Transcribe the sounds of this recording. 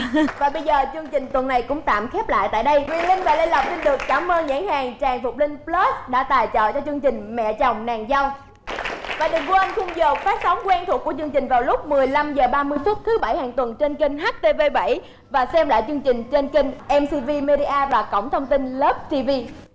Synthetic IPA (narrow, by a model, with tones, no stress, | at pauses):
vaː˨˩ɓə˧jzəː˨˩t͡ɕɨ˧əŋt͡ɕï˨˩ŋ̟t̪wə˨˩nːa˨˩jkʊ̰˧˥ŋ͡mt̪a̰ː˧˨mxɛ˦˥p̚la̰ː˧˨jt̪a̰ː˧˨jɗə˧jwi˧lï˧ŋ̟vaː˨˩le˧nla˨˩wp̚si˧nɗɨ˨˩əkkaː˧˩mʔəː˧nza̰ː˧˥ŋhaː˨˩ŋt͡ɕaː˨˩ŋfʊ˨˩k͡p̚lï˧ŋ̟plə˦˥sɗa̰ː˧˥t̪aː˨˩jt͡ɕə̰ː˧˨t͡ɕɔ˧t͡ɕɨ˧əŋt͡ɕï˨˩ŋ̟mɛ̰˧˨t͡ɕɔ˨˩wŋ͡mnaː˨˩ŋza˧wŋ͡m | vaː˨˩ɗɨ˨˩ŋku˧ʔa˧n̟xʊ˧ŋ͡mzəː˨˩k̚faː˦˥t̚sɔ˨˦wŋ͡mkwɛ˧nt̪ʰu˨˩ku˧˩ət͡ɕɨ˧əŋt͡ɕï˨˩ŋ̟vaː˨˩wlʊ˦˥k͡p̚mɨ˨˩əjla˧mzəː˨˩ɓaː˧mɨ˧əjfʊ˦˥t̚t̪ʰɨ˨˦ɓa˧˩jhaː˨˩ŋt̪wə˨˩nt͡ɕe˧nki˧ŋ̟ɦa˦˥k̚t̪e˧ve˧ɓa̰˧˩j | vaː˨˩sɛ˧mla̰ː˧˨jt͡ɕɨ˧əŋt͡ɕï˨˩ŋ̟t͡ɕe˧nki˧ŋ̟ʔɛ˧msi˧vi˧me˧ɗi˧ʔaː˧vaː˨˩kə̰˧˩wŋ͡mt̪ʰə˧wŋ͡mt̪ï˧nləː˦˥p̚t̪i˧vi˧